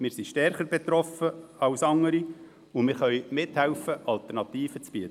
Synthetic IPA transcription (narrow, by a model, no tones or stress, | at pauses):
mɪːɾsiʃtɛɾχəɾbɛt̪ɾɔfəɑwsɑŋəɾi | ʊmɪɾχœʏmɪt̪hɛwfəʔɑlt̪ɛɾnɑt̪iːfət͡sb̥iətə